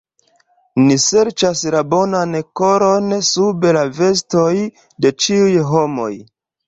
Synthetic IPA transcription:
nise̞ɾt͡ʃaslabo̞nanko̞ɾo̞nsubelave̞s̬toj | de̞t͡ʃiujɦo̞mo̞̰j

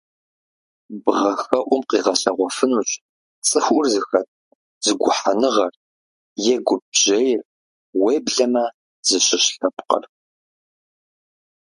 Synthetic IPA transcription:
bʁɐxɐʔʷʊmqiːʁɐɬɐʁʷɔfɨnuːɕʼ | t͡sʼɨxʷʔʷʊrzɨxɐt̚ʰʼ | z̥ɨɡʷʊħanɨʁɐr | jɛɡʷʊb̚ʑ̥ejɪr | weːbɮɐmɐ | z̥ɨɕɪɕɬɐpqɐ̰r

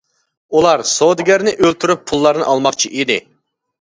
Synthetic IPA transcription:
ulˠɑɾsod̪ɪɡʲæɾnɪʔølt̪ʰyɾypʰːulˠːɑɾnɨ̰ʔɑlˠmɑqt͡ʃʰiʔid̪ɪ

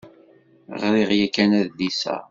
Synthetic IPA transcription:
ʁɾiʁjækːænæðd̪isæ̰

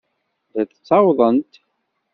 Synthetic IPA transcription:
ðæθt͡sːɑwðˤənt̪

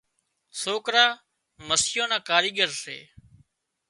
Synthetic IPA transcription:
soːkɾaː | məsɪjõːnãːkaːɾiːɠəɾsḛː

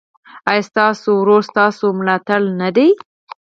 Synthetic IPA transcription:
ajst̪ɑsowɾoɾst̪ɑsomlɑt̪alnad̪ej

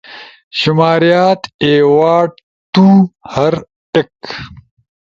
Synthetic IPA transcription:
ʃʊmaːɾijaːt̪eːwaːɖ̚ | t̪uːhɐɾ | ʈɪk

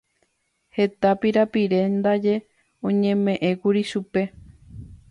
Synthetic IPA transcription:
he̞t̪apiɾapiɾe̞nd̪ad͡ʒe̞ | õ̞ɲẽ̞mẽ̞ʔẽ̞kuɾiʃupe̞

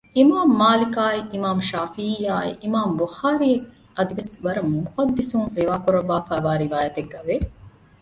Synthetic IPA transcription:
imaːmːaːlikaːiʔimaːmʃaːfiijaːḭʔimaːmbuxaːɾie | ɐd̪iʋesʋɐɾɐmːumuhɐd̪ːisuŋɾiʋaːkuɾɐʋːaːfæːʋaːɾiʋaːjɐt̪eɡːɐʋe

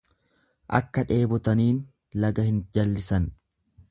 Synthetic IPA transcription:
ʔɐ̰kːɐᶑe̞ːbɔt̪ɐniːn | lɐɡɐhɪnd͡ʒɐlːɪsɐn

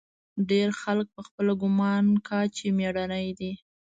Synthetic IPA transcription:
ɖeɾxalk̚pəxpəlaɡʊmɑnkɑt͡ʃemeɽanəjd̪i

